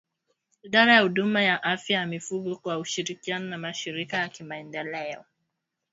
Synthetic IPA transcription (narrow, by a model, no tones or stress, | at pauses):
iɗaɾajahuɗumajaʔafjajamifuɡɔkwauʃiɾikianɔnamaʃiɾikajakimaɛndɛlɛɔ̰